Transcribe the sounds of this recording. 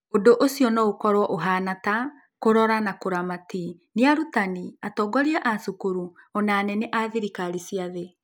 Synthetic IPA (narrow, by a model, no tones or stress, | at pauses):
odoʔosijɔnɔokɔɾwɔʔoɦanata | koɾɔɾanakoɾamati | neaɾutaniatɔːɡɔɾiaʔasukuɾuɔnaːnɛnɛʔaðiɾikaɾisiaðe